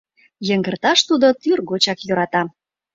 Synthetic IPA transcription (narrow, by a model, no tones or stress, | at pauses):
jə̆ŋɡə̆rt̪ɑʃt̪ud̪ot̪yrɣɡot͡ɕɑkjøɾɑt̪ɑ